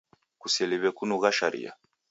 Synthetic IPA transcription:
kusɛliβɛkunuɣaʃaɾḭja̰

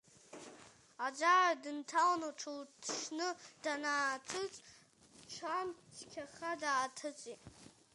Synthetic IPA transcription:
ad͡ʒaradɨntʰalnoʈ͡ʂʰɨltʰʂnɨd̥anaːtʰɨt͡sʼ | ʈ͡ʂʰanskʲʰaχadaːtʰɨt͡sʼitʼ

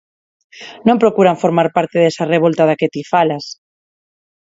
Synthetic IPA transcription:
nõmpɾokuɾaɱfoɾmaɾpaɾt̪eðesareβ̞olt̪aðaket̪ifalas

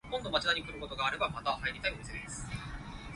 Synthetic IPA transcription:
kõ̞nd̪o̞mat͡ɕinaɲ̟ikɯ̟ɾɯko̞t̪o̞ɡaːɾe̞bamat̪ahaiɾʲit̪aio̞mʲised̪d̪esɨ̥

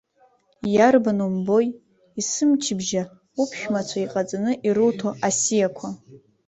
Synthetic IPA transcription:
jarbanumbo̞j | isɨmt͡ʃʰɪbʒa | upʰʃᶣmat͡st͡ʃʷʰaiqʼat͡sʼanɨʔiɾɨwtʰoʔasijakʷʰa

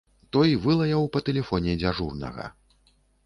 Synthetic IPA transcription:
t̪ɔjivɨlˠɐjɐwpɐt̪ɛlʲɛfɔnʲɛd͡zʲaʐurnɐ̰ɣɐ̰

